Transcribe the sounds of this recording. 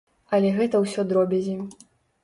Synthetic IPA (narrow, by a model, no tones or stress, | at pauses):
ɐlʲɛɣɛt̪ɐwsʲɔd̪ɾɔbʲɛzʲi